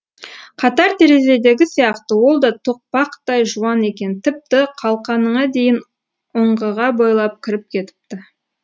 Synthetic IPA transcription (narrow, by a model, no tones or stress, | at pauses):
qʰɑt̪ɑɾt̪ʰe̞ɾe̞ze̞d̪e̞ɡʲɪsijɑqt̪əwo̞lˠd̪ɑt̪ʰoq̚pɑqt̪ɑjʒuɑne̞kʲe̞nt̪ʰɪp̚t̪ɪqʰɑlˠqɑnəɴɑd̪e̞jɪn | oɴʁəʁɑbojlˠɑp̚kʲʰɪɾɪp̚kʲʰe̞t̪ɪ̥p̚t̪ɪ